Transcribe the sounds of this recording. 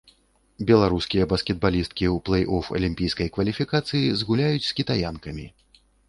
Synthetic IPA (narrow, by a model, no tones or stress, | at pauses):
bʲɛlˠaɾuskʲijɐbɐskʲɛd̪̚balʲist̪̚kʲiuplˠɐjʔɔfɐ̰lʲimʲpʲijskɐjkvɐlʲifʲikat̪sɨjizɣulʲajut͡sʲskʲit̪ajankɐmʲi